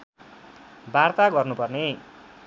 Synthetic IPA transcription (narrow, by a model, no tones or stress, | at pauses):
bart̪aɡʌrnupʌrne